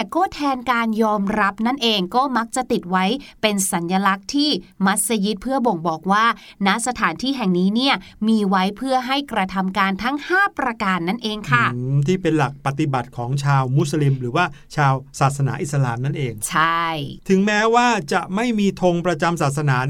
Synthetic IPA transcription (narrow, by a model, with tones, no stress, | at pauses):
ɛ˨˩kɔː˥˩t̪ʰɛː˧nkaː˧njɔː˧mɾa˦˥p̚na˥˩nʔeː˧ŋkɔː˥˩ma˦˥k̚t͡ɕa˨˩t̪i˨˩t̪̚wa˦˥jpe˧nsa˩˦nja˧la˦˥k̚t̪ʰiː˥˩ma˦˥t̪̚sa˧ji˦˥t̪̚pʰɯ˥˩ɐbo˨˩ŋbɔː˨˩k̚waː˥˩ | na˦˥sa˧t̪ʰaː˩˦nt̪ʰiː˥˩ɦɛ˨˩ŋniː˦˥ni˥˩ɐ | miː˧wa˦˥jpʰɯ˥˩ɐɦa˥˩jkɾa˧t̪ʰa˧mkaː˧nt̪ʰa˦˥ŋhaː˥˩pɾa˧kaː˧nːa˥˩nʔeː˧ŋkʰa˥˩t̪ʰiː˥˩pe˧nla˨˩k̚pa˨˧t̪i˨˩ba˨˩t̪̚kʰɔː˩˦ŋt͡ɕʰaː˧wmu˦˥sli˧mɾɯː˩˦waː˥˩t͡ɕʰaː˧wsaː˨˩t̪̚sa˧naː˩˦ʔi˨˩t̚sa˧la̰ː˧mna˥˩nʔeː˧ŋt͡ɕʰa˥˩jt̪ʰɯ˨˩˦ŋmɛː˦˥waː˥˩t͡ɕa˨˩ʔma˥˩jmiː˧t̪ʰo˧ŋpɾa˧t͡ɕa˧msaː˨˩t̪̚sa˧naː˩˦